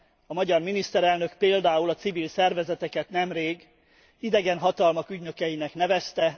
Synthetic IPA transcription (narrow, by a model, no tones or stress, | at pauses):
ɒmɒɟɒrminist̪ɛɾɛlnø̞kpeːld̪aːulɒt̪sivilsɛrvɛzɛt̪ɛkɛt̪nɛmreːɡ | id̪ɛɡɛnɦɒt̪ɒlmɒkyɟnø̞kɛjinɛknɛvɛst̪ɛ